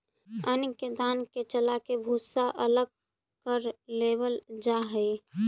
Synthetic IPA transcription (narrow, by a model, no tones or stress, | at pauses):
ənked̪aːnket͡ʃəlakebʱusaʔələɡ̚ | kəɾlebəld͡ʒaɦəj